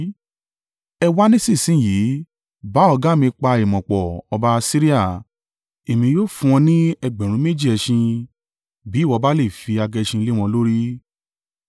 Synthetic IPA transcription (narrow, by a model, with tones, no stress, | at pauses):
ɛ˧wa˦nĩ˦si˦˨sĩ˨˦˨jiː˨˦ | ba˨˦ɔ˧ɡa˦˨mĩ˧k͡pa˧e˨mɔ̃˨k͡pɔ˨ɔ˧ba˧˦˧si˦ɾi˦a˦˨ | e˨mĩ˧joː˦˨fũ˧ɔ̃˧nĩ˦ɛ˧ɡ͡bɛ̃˨ɾ̃ũ˨˦me˦d͡ʒi˦˨ɛ˧ʃĩ˧ | bi˨˦˨wɔ˧ba˦le˦˨fi˧a˧ɡɛ˧ʃĩ˧le˦w̃ɔ̃˧lo˦ɾi˦